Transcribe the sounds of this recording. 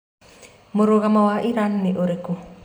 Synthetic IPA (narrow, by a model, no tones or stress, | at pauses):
moɾoɣamawaʔiɾanːeʔoɾeko